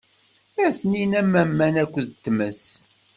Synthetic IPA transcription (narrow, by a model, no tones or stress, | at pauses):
æθninæmːæmːænækʷːðt̪ːməs